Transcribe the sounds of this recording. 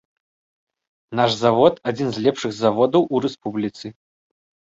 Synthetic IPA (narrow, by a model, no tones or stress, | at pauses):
naʂzavɔt̪ad͡zʲinzʲlʲɛpʂɨɣzavɔd̪ɐwʔuɾɛspublʲit̪sɨ